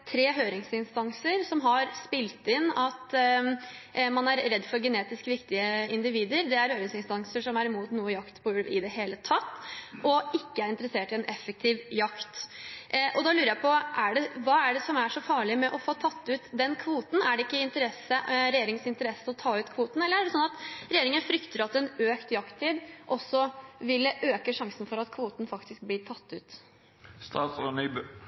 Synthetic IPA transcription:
t̪ʰɾeːɦøːɾɪŋsɪnst̪ɑŋsəɾsɔmɦɑɾspɪlt̪ɪnːɑt̪ | mɑnæɾːɛd̪ːfɔɾɡəneːt̪ɪskʋɪkt̪ɪəɪnd̪ɪʋiːd̪əɾd̪ɛæɾhøːɾɪŋsɪnst̪ɑŋsəʂɔmæɾɛmuːt̪nuːəjɑkt̪pʰɔjʉɾɪd̪ɛɦeːlət̪ʰɑt̪ːʔɔɪkːəæɾɪnt̪əɾəseːʈɪɛnʔɛfːək̚t̪ʰiːʋjɑkt̪ | ʔɔd̪ɑlʉːɾəjæɪpʰɔʔæɖɛʋɑːæɖɛsɔmæʂɔfɑːɭɪmɛʔɔfoːt̪ʰɑt̪ːʉːt̪d̪ɛnkʰʋuːt̪n̩æɖɛɪkːəɪnt̪əɾɛsːəɾɛjeːɾɪŋəsɪnt̪əɾɛsːət̪ɔt̪ʰɑːʉːt̪kʰʋuːt̪n̩ɛlːəɾæɖɛsɔnːɑt̪ɾɛjeːɾɪŋənfɾʏkt̪əɾɑt̪ɛnøːkt̪jɑkt̪ʰːiːd̪ʔɔsːɔʋɪlːəʔøːkəʂɑŋsn̩fɔɾɑt̪kʰʋuːt̪n̩fɑkt̪ɪsk̚blɪːʈʰɑt̪ːʉːt̪ | st̪ɑːt̪snyːb

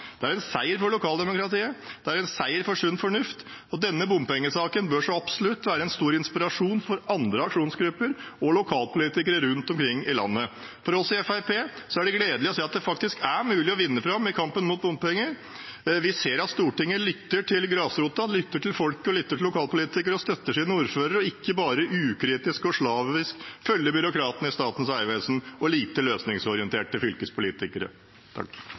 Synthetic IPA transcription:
d̪̥ɛæɾɛnsæɪɾfɔɭʊkʰɑːld̪ɛmʊkɾɑt̪ʰiːəd̪̥ɛæɾɛnsæɪɾfɔʂʉnfɔɳʉft̪ɔd̪ɛnːəbʊmpɛŋːəsɑːkənbøːʂɔɑbsɔlʉt̪ːʋæːɾəɛnst̪uːɾɪnspɪɾɑʂuːnfɔɾɑnd̪ɾəɑkʂuːnsɡɾʉpːəɾɔlʊkʰɑːlpʰʊliːt̪ɪkəɾəɾʉnt̪ɔmkʰɾɪŋːɪlɑ̰nːə | fɔɾɔsɔɛfæɪpʰeːsɔæɖɛɡleːd̪lɪɔseːɑt̪̚d̪ɛfɑk̚t̪ɪskæɾmʉːlɪɔʋɪnːəfɾɑmːɪkʰɑmpənmʊt̪̚bʊmpɛŋːəɾ | ʋɪseːɾɑt̪st̪uːʈɪŋːəlʏt̪ːəʈʰɪlɡɾɑːsɾuːt̪ɑlʏt̪ːəʈɪlfɔlkɔlʏt̪ːəʈʰɪl̩ʊkʰɑːlpʰʊliːt̪ɪkəɾɔst̪œt̪ːəʂiːnəuːɾføːɾəɾɔɪkːəbɑːɾəʔʉːkʰɾiːt̪ɪskɔʂɭɑːʋɪskfœljəɾbʏɾʊkʰɾɑːt̪ənəɪst̪ɑːt̪ən̩sæɪʋæɪsn̩ɔliːt̪əløːsnɪŋsɔɾɪənt̪ʰeːʈəfʏlkəspʰʊliːt̪ɪkəɾə̰ | t̪ʰɑ̰k

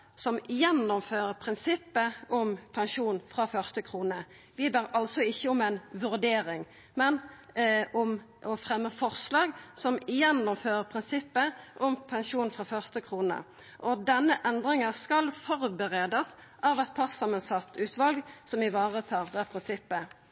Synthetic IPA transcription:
sɔmjɛnːʊmføːɾəpʰɾɪnsɪpːəʔɔmpʰɛnʂuːnfʁɑfœʁst̪əkʰʁuːnə | ʋɪbeːʁɑlsɔɪçːəɔmæɪnʋʉʁd̪eːɾɪŋ | mɛn | ɔm | ʔɔfʁɛmːəfɔʁslɑːɡsɔmjɛnːʊmføːʁəpʰʁɪnsɪpːəʔɔmpʰɛnʃuːnfʁɑfœʁst̪əkʰʁuːnə̰ | ʔɔd̪ɛnːəʔɛnd̪ʁɪŋəskɑlfɔʁbəʁeːd̪əs | ɑʋɛt̪̚pʰɑsɑmənsɑt̪ʰːʉːt̪ʰʋɑlɡsɔmɪʋɑːʁət̪ʰɑːʁd̪ɛpʰʁɪnsɪpːə

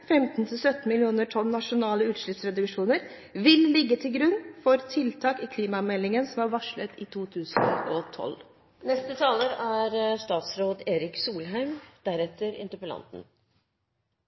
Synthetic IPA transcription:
fɛmt̪n̩t̪ʰɪlsœt̪n̩mɪlɪuːnəʈʰɔnːɑʂʊnɑːləʉːt̪ʂɭʏt̪sɾɛd̪ʉkʂuːnəɾ | ʋɪlːɪɡːət̪ʰɪlɡɾʉnːfɔɾt̪ʰɪlt̪ʰɑːkɪkʰliːmɑmɛlːɪŋənsɔmɑɾʋɑʂɭət̪ʰɪt̪ʰuːt̪ʰʉːsənɔt̪ʰɔ̰l | nɛst̪ət̪ʰɑːləɾæɾst̪ɑːt̪sɾoːd̪eːɾɪksuːlɦæɪmd̪̥æɾɛt̪ːəɾɪ̰nt̪əɾpəlɑ̰nt̪n̩

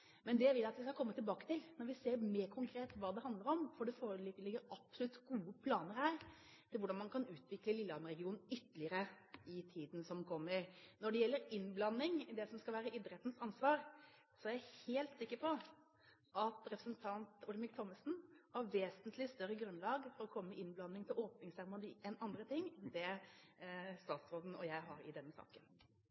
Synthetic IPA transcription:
mɛnd̪ɛjæʋɪljæɑt̪ʋɪskɑkʰɔmːət̪ʰɪlbɑːkət̪ɪlnɔɾʋɪseːɾmeːɾkʰʊŋkʰɾeːt̪ʋɑːd̪ɛɦɑnd̪ləɾɔmfɔɖɛfoːɾəlːlɪɡəɾɑpsɔlʉt̪ːɡuːəpʰlɑːnəɾhæːɾ | t̪ʰɪlʋʊɖɑnmɑnkʰɑnʉːt̪ʰʋɪkləlɪlːɑmɾɛɡɪuːnn̩ʏt̪ːəlɪəɾə | ɪt̪ʰiːd̪n̩sɔmkʰɔmːəɾnɔɖɛjɛlːəɾɪnblɑnːɪŋd̪ɛsɔmskɑlʋæːɾəɪd̪ɾɛt̪n̩sɑnsʋɑːɾ | sɔææheːlt̪sɪkːəpʰɔ | ʔɑt̪ɾɛpɾəsənt̪ʰɑnt̪ʊləmɪk̚t̪ʰɔmːəsn̩æɾʋeːsənt̪ʰlɪst̪œɾəɡɾʉnlɑːɡfɔɾɔkʰɔmːəʔɪnblɑnːɪŋt̪ʰɪloːp̚nɪŋsæɾmʊd̪iʔɛnɑnd̪ɾət̪ʰɪŋːnd̪ɛ | st̪ɑːt̪sɾoːd̪n̩ɔ̰jæɪɦɑɾɪ̰d̪ɛnːəsɑ̰ːkən

